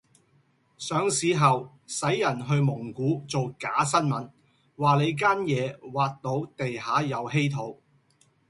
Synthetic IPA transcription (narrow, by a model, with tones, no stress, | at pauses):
sœː˨˧ŋsiː˨˧ɦɐ˨w | sɐ˨˥jːɐ˨˩nɦɵ˧ɥmʊ˨˩ŋkuː˨˥t͡so˨wkaː˨˥sɐ˥nmɐ˨˥n | waː˨le˨˧jk̬aː˥njɛː˨˧waː˨˧t̚t̪o˨˥wt̪e˨jhaː˨˥jɐ˨˧whe˥jt̪ʰo˨˧w